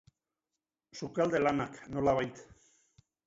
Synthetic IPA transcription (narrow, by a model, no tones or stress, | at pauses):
sukald̪e̞lanakno̞laβ̞ajt̪